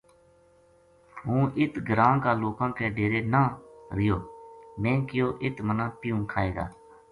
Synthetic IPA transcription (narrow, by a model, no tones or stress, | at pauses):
ɦũːʔɪt̪ɡəɾãːkaːloːkãːkeːɖeːɾeːnãːɾɪjoːmɛ̃ːkɪjoːʔɪt̪mənãːpɪjũːkʰaːeːɡa̰ː